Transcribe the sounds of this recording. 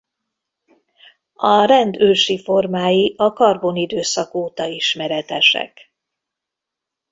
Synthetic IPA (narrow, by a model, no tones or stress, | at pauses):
ɒrɛnd̪øːʃifo̞rmaːjiʔɒkɒrbo̞nid̪øːsɒkoːt̪ɒiʃmɛɾɛt̪ɛʃɛ̰k